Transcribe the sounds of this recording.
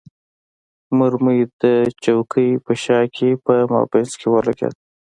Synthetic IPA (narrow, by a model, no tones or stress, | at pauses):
mʊɾmujd̪̥ət͡ʃawkʰəjpəʃɑkʰepəmɑ̰beskewalaka̰t̪